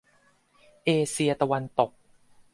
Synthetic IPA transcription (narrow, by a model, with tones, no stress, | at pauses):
ʔeː˧si˧ɐt̪a˧wa˧nt̪o˨˩k̚